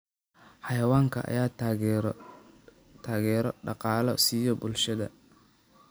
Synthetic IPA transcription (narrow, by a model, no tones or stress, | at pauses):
ħɑjɐwaːŋkʰɐ̰ʔɐ̰jaː | t̪ʰaːɣɛːɾɔɖɑqɑːlɔsijɔbʊlʃɐðɐ̰